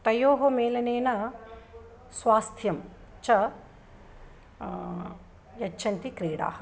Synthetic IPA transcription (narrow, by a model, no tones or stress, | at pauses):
t̪ɐjoːɦomeːlɐneːnɐ | sʋaːst̪ʰjɐm | t͡ʃɐ | jɐt͡ʃːt͡ʃʰɐnt̪ikɾeːɽa̰ːhɐ